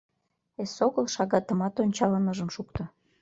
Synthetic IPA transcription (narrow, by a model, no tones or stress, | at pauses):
esoɣəlʃɑɣɑt̪əmɑt̪onʲt͡ɕɑlənəʒəmʃukt̪ə̆